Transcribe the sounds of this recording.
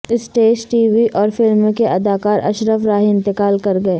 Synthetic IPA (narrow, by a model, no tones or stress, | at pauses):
ɪsʈeːd͡ʒʈiːʋiʔɔːɾfɪlmkeʔɐd̪aːkaːɾɐ̰ʃɾəfɾaːɦɪ̃nt̪ɪkaːlkɐɾɡɐeː